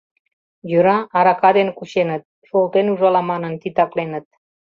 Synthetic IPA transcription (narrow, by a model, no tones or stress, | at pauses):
jøɾɑːɾɑkɑd̪enkuɕenət̪̚ʃolt̪enuʒɑlɑmɑnə̆nt̪it̪ɑklenət̪̚